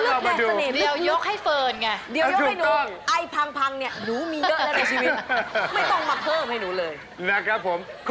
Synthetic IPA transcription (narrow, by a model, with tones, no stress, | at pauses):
lɯ˥a˧˩ma˧duːa˧neː˨˩di˨˧əwjo˦˥k̚ha˥˩jfɤː˧nka˧˩di˨˦˧jt͡ɕʰu˨˩˥jnɔ˦˥˦ŋʔa˧˩jpʰa˧ŋpʰa˧ŋni˥˩ɐnuː˨˩˦miː˧jɤ˦˥ʔɛ˦˥na˧t͡ɕʰiː˧wi˦˥ma˥˩jt̪ɔ˥˩ŋmaː˧pʰɤː˥˩mha˥˩jnuː˩˦lɤː˧j | na˦˥kʰɾa˦˥pʰːo˩˦m | kʰ